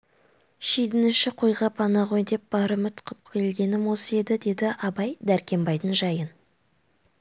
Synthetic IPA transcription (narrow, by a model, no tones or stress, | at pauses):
ʃejd̪ɪnɪʃɪqʰojʁɑpʰɑnɑʁo̞jd̪e̞p̚b̥ɑɾəmʏt̪qʰəp̚kʲʰe̞lɡʲe̞nɪmwo̞səe̞d̪ɪd̪e̞d̪ɪʔɑbɑjd̪æɾkʲe̞mbɑjd̪ənʒɑjən